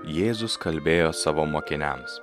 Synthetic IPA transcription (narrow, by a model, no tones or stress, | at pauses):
jeːzʊskɐlʲbʲeːjoːsɑːʋoːmoːkʲɪnʲæms